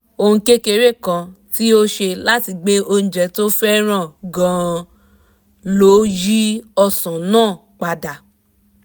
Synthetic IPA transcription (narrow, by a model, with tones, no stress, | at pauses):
o˧hũ˧ke˦ke˧ɾe˦˨kã˧ti˦o˦ʃe˧la˦ti˧ɡ͡be˦o˧ñ̩˨d͡ʒɛ˨˦to˦fɛ˦ɾ̃ã˦˨ɡã˨ | lo˨˦ji˦ɔ˧sã˨nãː˦˨ | k͡pa˨˧da˨